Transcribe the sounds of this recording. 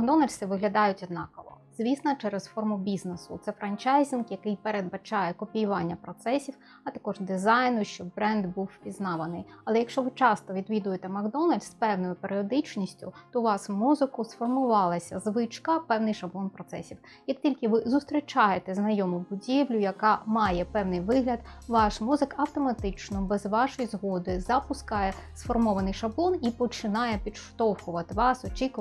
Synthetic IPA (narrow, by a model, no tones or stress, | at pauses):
mɐɡd̪ɔnɐlʲsɪʋɪɦlʲɐd̪ɑjʊtʲɔd̪nɑkɔʋɔ̰z̥ʋʲisnɐt͡ʃɛɾɛsfɔrmʊbʲiznesʊ̰t̪sɛfɾɐnt͡ʃajzʲinkjɐkɪjpeɾed̪bɐt͡ʃɑjɛkɔpʲijʊʋɑnʲːɐpɾɔt̪sɛsʲiw | ɐt̪ɐkɔʒd̪ɪzɑjnʊʃt͡ʃɔbbɾɛnd̪buwpʲiznɑʋɐnɪjɐlˠɛjɐkʃt͡ʃɔʋɪt͡ʃɑst̪ɔʋʲid̪ʋʲid̪ʊjet̪ɛmɐɡd̪ɔnɐlʲspɛwnɔjʊpeɾʲɪɔd̪ɪt͡ʃnʲisʲtʲʊ̰t̪ɔʋɑsmuzɪkʊsfɔrmʊʋɑlˠɐsʲɐzʋɪt͡ʃkɐpɛwnɪjʃɐblˠɔnpɾɔt̪sɛ̰sʲiw | jɐktʲilʲkɪʋɪzʊst̪ɾʲit͡ʃɑjet̪ɛznɐjɔmʊbʊdʲiʋlʲʊjɐkɑmɑjɛpɛwnɪjʋɪɦlʲɐd̪ʋɑʃmuzɪkɐwt̪ɔmɐt̪ɪt͡ʃnɔbɛzʋɑʃɔjizɦɔd̪ɪzɐpʊskɑjɛsfɔrmɔʋɐnɪjʃɐblˠɔnipɔt͡ʃɪnɑjɛpʲid̪ʃt̪ɔwxʊʋɐt̪ɪʋɑsɔt͡ʃʲikʊ